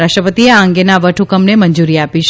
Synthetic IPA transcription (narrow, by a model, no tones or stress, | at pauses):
ɾaʃʈɾəpət̪ieãŋɡenaʋəʈʰukəmnemənd͡ʒuɾiapiʃ